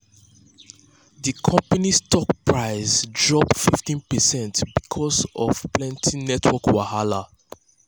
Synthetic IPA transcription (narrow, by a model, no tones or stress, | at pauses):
ðikʰɔ̃mpanistɔk̚pɹaɪzd͡ʒɔbfiftĩnpɛsɛ̃ntbikʰɔsɔ̰v̥plɛ̃ntʰinɛtʰwɔkwahala